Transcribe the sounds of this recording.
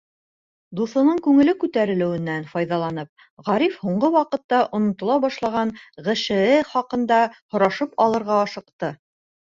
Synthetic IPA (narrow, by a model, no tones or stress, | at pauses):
d̪uθŏnɤɴkʉŋɘ̆lɘkʉt̪æɾɘ̆lɘ̆wɘ̆nːænfɑjðɑlˠɑnɤp̚ | ʁɑɾifhuɴɢɤwɑqɤ̆t̪ːɑʔŏnŏt̪ŏlˠɑbɑʃlˠɑʁɑnʁɘ̆ʃɘ̆ɘχɑqɤ̆nd̪ɑhŏɾɑʃɤpɑlˠɤ̆ɾʁɑɑʃɤ̆qt̪ɤ